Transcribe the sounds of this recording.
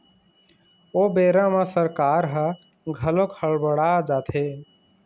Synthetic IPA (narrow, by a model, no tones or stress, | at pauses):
obeɾamasəɾkaɾɦə | ɡʱəlokʰhəɭbəɽad͡ʒat̪ʰe